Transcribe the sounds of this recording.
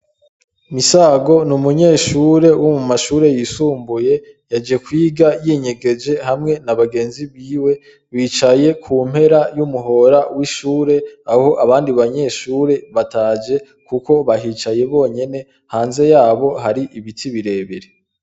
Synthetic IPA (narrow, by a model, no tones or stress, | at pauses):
misaːɡo̞numuɲe̞ːʃuɾe̞wʔomumaʃuːɾe̞jisuːmbuje̞ | jad͡ʒe̞kwiːɡajiɲe̞ɡe̞d͡ʒe̞hamŋe̞naβaɡe̞ːnziβiːwe̞ | wiːt͡ʃaje̞kʰuːm̥he̞ɾajumuɦo̞ɾawiʃuːɾe̞aho̞ʔaβaːndiβaɲe̞ːʃuːɾe̞βataːd͡ʒe̞ | kuko̞βaɦiːt͡ʃaje̞βo̞ːɲe̞ne̞ | haːnze̞jaːβo̞ɦaɾiʔiβitʰiβiɾe̞ːβeɾe